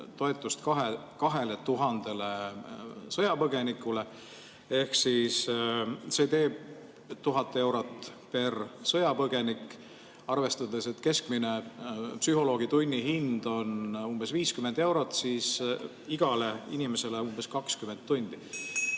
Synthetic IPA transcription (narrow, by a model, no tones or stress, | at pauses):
t̪o̞e̞t̪ːˑust̪kɑɦe | kɑɦe̞le̞t̪uɦɑnd̪̥e̞le | sɤjɑpɤɡe̞nikːˑule̞ | e̞hksis | se̞t̪e̞ːb̥̚ | t̪uɦɑt̪ːˑe̞wɾot̪ːˑpe̞rsɤjɑpɤɡ̥e̞nikːˑ | ɑrve̞st̪ɑd̪e̞se̞t̪ːˑke̞skmine̞psyɦo̞lo̞ːɡ̥it̪unʲːiɦind̪̥o̞numb̥e̞sviːskymend̪e̞wɾo̞t̪ːˑsis | iɡ̥ɑle̞inime̞se̞leumb̥e̞skɑkskyment̪ːunʲd̪̥i